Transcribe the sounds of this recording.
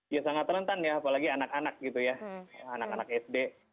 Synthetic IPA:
jasaŋat̪ːənənt̪anjaːpalaɡianakanak̚ɡit̪ujaanakanak̚ɛsde

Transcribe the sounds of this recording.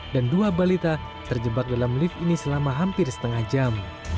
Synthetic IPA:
danduabalit̪a | t̪ərd͡ʒəbak̚dalamlifinisəlamaɦampɪrsə̥t̪əŋahd͡ʒam

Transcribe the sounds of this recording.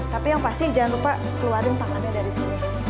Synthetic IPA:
t̪apijaŋpast̪id͡ʒaanɾupa | kəluaɾənt̪aŋadadaɾisini

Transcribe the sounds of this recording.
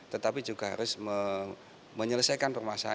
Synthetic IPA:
t̪ət̪apid͡ʒuɡ̥aɦa̰ɾʊsmə | məɲələsajkanpərmasa

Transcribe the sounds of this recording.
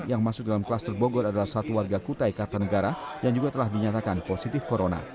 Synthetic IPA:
jaŋmasʊk̚dalamklast̪ərboɡɔɾadalahsat̪uwarɡakut̪ajkat̪anəɡaɾajaŋd͡ʒuɡat̪əlahdiɲat̪akanposit̪ɪfkoɾona̰

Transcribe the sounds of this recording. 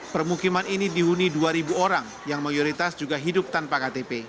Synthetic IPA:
pərmukimaninidiɦuniduaɾibuoɾaŋ | jaŋmajoɾit̪asd͡ʒuɡaɦidʊp̚t̪anpakat̪epe

